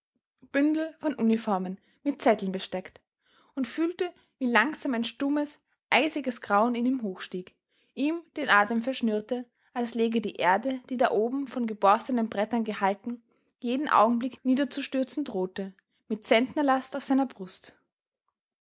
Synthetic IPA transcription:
b̥ʏndl̩fɔnʔunifɔɐmən | mɪt̚t͡sɛtl̩nbəʃtɛkt | ʊntfyːltə | viːlaŋz̥aːmaɪnʃtʊməs | ʔaɪzɪɡəsɡ̥ʁaʊənɪniːmɦoːxʃtiːk | ʔiːmd̥eːnʔaːtəmfɛɐʃnyɐtə | ʔalsleːɡədiːʔeːɐdəd̥iːdaʔoːbm̩fɔnɡəbɔɐstənənbʁɛtɐnɡəhaltn̩ | jeːdn̩ʔa̰ʊɡŋ̩blɪkniːdɐt͡suʃtʏɐt͡sn̩dʁoːtə | mɪt̚t͡sɛntnɐlastaʊfz̥aɪnɐbʁʊst

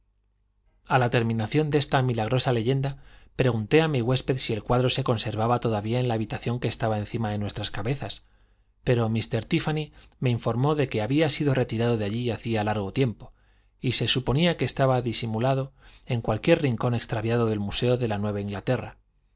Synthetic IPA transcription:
alat̪e̞ɾmĩnaθjo̞nd̪e̞st̪amilaɣ̞ɾo̞sale̞ʝe̞nd̪apɾe̞ɣ̞unt̪e̞amiɣwe̞spe̞ðsie̞lkwaðɾo̞se̞ko̞nse̞ɾβaβat̪o̞ðaβiae̞nlaːβit̪aθjo̞ŋke̞ːst̪aβae̞nθimaðe̞nwe̞st̪ɾaskaβe̞θas | pe̞ɾo̞mist̪e̞ɾt̪ifani | me̞iɱfo̞ɾmo̞ðe̞ke̞aβiasiðo̞re̞t̪iɾað̞o̞ðeaʎiaθialaɾɣ̞o̞t̪je̞mpo̞ | ise̞supo̞niake̞ːst̪aβaðisimulaðo̞e̞ŋkwalkje̞ɾrriŋko̞ne̞kst̪ɾaβjaðo̞ðe̞lmuse̞oðe̞lanwe̞β̞aiŋɡlat̪e̞ra

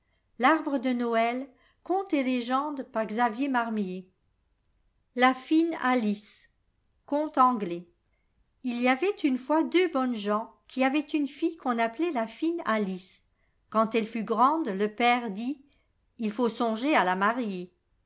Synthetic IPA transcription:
laʁbʁəd̪ənɔɛl | kɔ̃t̪ɛleʒɑ̃d̪paʁɡzavjemaʁmje | lafinalis | kɔ̃t̪ɑ̃ɡlɛ | iliavɛt̪ynfwad̪øbɔnʒɑ̃kʲʰiavɛt̪ynfijkɔ̃naplɛlafinalis | kɑ̃t̪ɛlfyɡʁɑ̃d̪ləpɛʁd̪i | ilfosɔ̃ʒealamaʁje

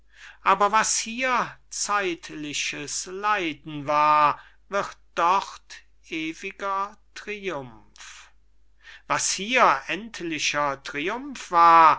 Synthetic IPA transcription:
ʔaːbɐvashiːɐt͡saɪtlɪʃəslaɪdn̩vaːɐ | vɪʁt̚d̥ɔχt | ʔeːvɪɡɐtʁ̥iʊm | f | vashiːɐʔɛntʰlɪʃɐtʁ̥iʊmfv̥aːɐ

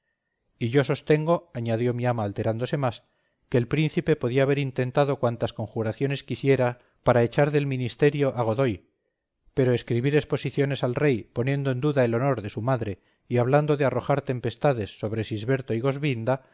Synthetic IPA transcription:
iʝo̞so̞st̪e̞ŋɡo̞aɲaðjo̞miamaːlt̪e̞ɾand̪o̞se̞mas | ke̞ːlpɾin̟θipe̞po̞ðiaːβ̞e̞ɾint̪e̞nt̪aðo̞kwant̪asko̞ŋxuɾaθjo̞ne̞skisje̞ɾa | paɾaet͡ʃaɾðe̞lmĩnist̪eɾjo̞ʔaɣ̞o̞ðo̞j | pe̞ɾo̞eskɾiβiɾe̞spo̞siθjo̞ne̞salre̞jpo̞njẽ̞nd̪o̞end̪uðae̞lo̞no̞ɾðe̞sumaðɾe̞ | iaβ̞land̪o̞ðearo̞xaɾt̪e̞mpe̞st̪aðe̞sːo̞βɾe̞sizβe̞ɾt̪o̞iɣ̞o̞zβind̪a

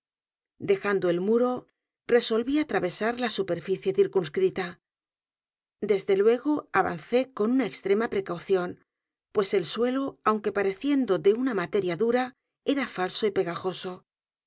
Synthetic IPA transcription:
d̪e̞xand̪oelmuɾo̞ | re̞so̞lβiat̪ɾaβe̞saɾlasupe̞ɾfiθje̞θiɾkunskɾit̪a | d̪e̞zðe̞lwe̞ɣ̞o̞aβa̰nθe̞ko̞nunaekst̪ɾe̞mapɾe̞kawθjo̞n | pwe̞se̞lswe̞loawŋke̞paɾe̞θje̞nd̪o̞ðe̞unamat̪e̞ɾjaðuɾa | e̞ɾafalso̞ipe̞ɣaxo̞so̞

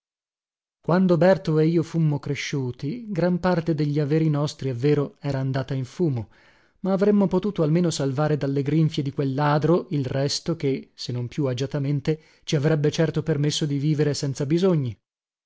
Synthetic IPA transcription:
kwand̪obɛrt̪oeiːofumːokɾeʃːuːt̪iɡɾampart̪ed̪eʎːiaveːɾinɔst̪ɾievːeːɾoɛːɾaːnd̪aːt̪aiɱfuːmo | maːvɾemːopot̪uːt̪oalmeːnosalvaːɾed̪alːeɡɾiɱfjed̪ikwelːaːd̪ɾoʔilrɛst̪ok̟esenːompjuad͡ʒat̪ament̪e | t͡ʃiavɾɛbːet͡ʃɛrt̪opermesːod̪iviːveɾesɛnt̪sabizoɲːi

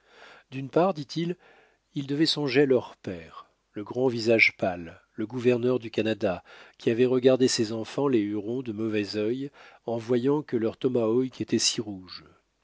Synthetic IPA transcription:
d̪ynpaʁd̪it̪ʰil | ild̪əvɛsɔ̃ʒealœʁpɛːʁ | ləɡʁɑ̃vizaʒpalː | əɡuvɛʁnœʁd̪ykanad̪akʲiavɛʁəɡaʁd̪esɛzɑ̃fɑ̃leyʁɔ̃d̪əmɔvɛzœjɑ̃vwajɑ̃kəlœʁt̪ɔmaɔjkʰet̪ɛsiʁuʒ

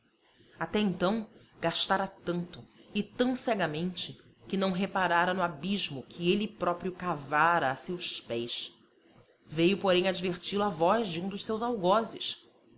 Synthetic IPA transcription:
at̪ɛẽnt̪ɐ̃w̃ | ɡ̥aʃt̪aɾɐt̪ɐ̃nt̪ʊɪt̪ɐ̃w̃sɛɡɐmẽnt͡ʃɪ | kɪnɐ̃w̃ɦepaɾaɾɐnʊabiʒmʊkʰɪelɪpɾɔpɾjʊkavaɾɐːsewspɛjs | vejʊpoɾẽj̃ad͡ʒiveɾt͡ʃilʊavɔʒd͡ʒɪũd̪ʊʃsewzawɡɔzɪʃ

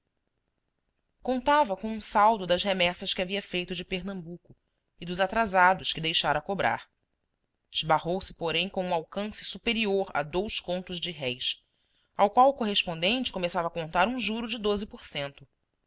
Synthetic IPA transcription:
kõnt̪avɐkõũsawd̪ʊd̪ɐʃɦemɛsɐʃkɪaviɐfejt̪ʊd͡ʒɪpeɾnɐ̃mbukʊ | ɪd̪ʊzat̪ɾazad̪ʊʃkɪd̪ejʃaɾɐkobɾa̰ɾ | d͡ʒɪʒbahowsɪ̥poɾẽj̃kõũawkɐ̃sɪ̥supeɾioɾɐ̰d̪owskõnt̪ʊzd͡ʒɪɦɛjs | awkwawʊkoɦeʃpõnd̪ẽnt͡ʃɪ̥komesavɐːkõnt̪aɾũʒuɾʊd͡ʒɪd̪ozɪpoɾsẽnt̪ʊ

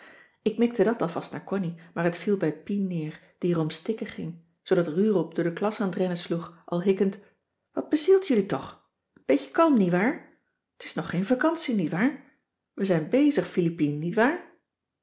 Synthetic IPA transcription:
ɪk̚mɛk̚tədɑtɑlˠvɑstnaːɹkɔnimaːɹɦətfilˠbɛjpinːɪːɹ | d̥iərɔmstɪkəχɪŋ | z̥odɑtryːrɔlˠp̚dʊːdəklɑsaːnətrɛnəsluχʔɑ̰lˠɦɪkənt | ʋɑd̚b̥əzilˠtjʏlitɔχ | ənb̥ejtə̥kɑlˠmnitʋaːɹ | ətɪ̥snɔχːejnvakɑnsinitʋaːɹ | ʋəzɛjnbejzəχfilipinənitʋaːɹ

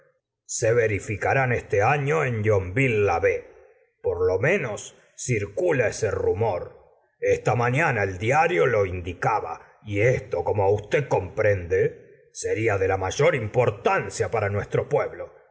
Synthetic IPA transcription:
seβeɾifikaɾanest̪eaɲo̞enʎombilːaβe | poɾlo̞mẽ̞nosː | iɾkulaeserumo̞ɾ | est̪amaɲanaeld̪jaɾjo̞lo̞ind̪ikaβa̰ | iest̪o̞ko̞mo̞ust̪eko̞mpɾend̪e | se̞ɾiaðe̞lamaʒo̞ɾimpo̞ɾt̪ansjapaɾanwe̞st̪ɾo̞pweβlo̞

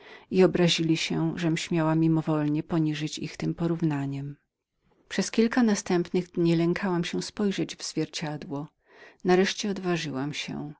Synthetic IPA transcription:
iɔbɾaʑilʲiɕɛʐɛmɕmʲjawamʲimɔvɔlɲɛpɔɲiʐɘt͡ɕḭxt̪ɘmpɔɾuvnaɲɛm | pʂɛskʲilkanast̪ɛmpnɘɣd̪ɲilɛŋkʰawamɕɛspɔjʐɛd͡ʑvz̥vʲjɛɾt͡ɕad̪wɔ | naɾɛʂt͡ɕɛɔd̪vaʐɘwamɕɛ̰

